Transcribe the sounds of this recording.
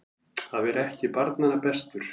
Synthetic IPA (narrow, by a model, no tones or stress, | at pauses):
haðvɛɾɛhcɪpaɾt̪nanːapɛst̪ʏɾ̥